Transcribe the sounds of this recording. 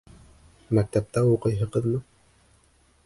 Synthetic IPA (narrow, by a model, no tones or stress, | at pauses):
mæk̚t̪æp̚t̪æwuqɤ̆jɦɤqɤ̆ðmɤ